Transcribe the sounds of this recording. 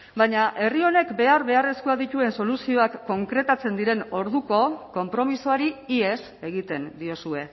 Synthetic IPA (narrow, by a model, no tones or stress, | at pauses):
baɲaʔe̞rio̞ne̞kbe̞aɾβe̞are̞skuaðit̪ue̞nso̞lusio̞akːo̞ŋkɾe̞t̪at͡se̞nd̪iɾe̞no̞ɾðuko̞ko̞mpɾo̞misoaɾiie̞s | e̞ɣ̞it̪e̞nd̪io̞sue̞